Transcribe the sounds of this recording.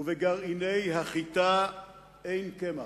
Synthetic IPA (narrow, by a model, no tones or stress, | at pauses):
uveɡaʁinejhaχit̪a | ejnkema